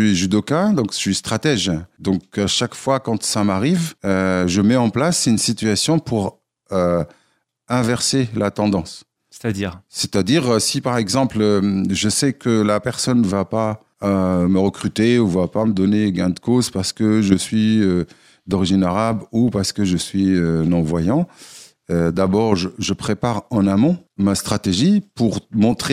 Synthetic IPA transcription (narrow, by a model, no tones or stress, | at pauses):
ɥiʒyd̪okãd̪ɔ̃kʃɥist̪χat̪ɛʒd̪ɔ̃kaʃakfwakɑ̃t̪samaʁivøʒəmɛɑ̃plasynsit̪ɥasjɔ̃pʰuʁ | ø | ɛ̃vɛʁselat̪ɑ̃d̪ɑ̃s | se̥t̪ad̪iʁːet̪ad̪iʁøsipaʁɛɡzɑ̃pløʒəsɛkəlapɛʁsɔnvapa | øməʁəkχyt̪euvapaməd̪ɔneɡɛ̃d̪əkozpaʁsə̥kəʒəsɥiø | d̪ɔʁiʒinaʁabupaʁsə̥kəʒəsɥiønɔ̃vwajɑ̃ | ød̪abɔʁʒəʒəpχepaʁɑ̃namɔ̃mast̪χat̪eʒipuʁmɔ̃t̪χe